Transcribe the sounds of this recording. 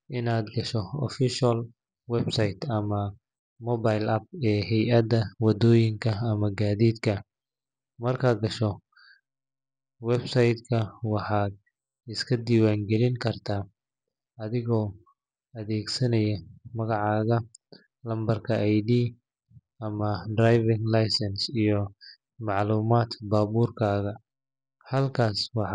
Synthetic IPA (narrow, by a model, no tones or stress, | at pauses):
ʔɪnaːd̪ɡɐʃɔɔ̰fɪʃɐl | wɛbsɐjt̪ɐmɐ | mɔbajlɐb̚ɛːɦɛjɐd̪ɐwɑd̪ɔːjɪŋkʰɐːmɐɡaːðiːd̪kʰɐ | mɐrkʰaːd̪̚ɡɐʃɔ | wɛbsɐjd̪kʰɐwɑħɑːd̪̚ | ɪskʰɐd̪iːwaːŋɡɛlɪŋkʰɐrt̪ʰaː | ɐðɪɣɔː | ɐðɛːɡsɐnɐjɐmɐɣɑʕɑːɣɐ | lɐmbɐrkʰɐʔajd̪iː | ɐmɐd̪rajvɪŋlajsɛnsijɔ | mɑʕluːmaːt̪baːβuːrkʰaːɣɐ | hɐlkʰaːswɑħ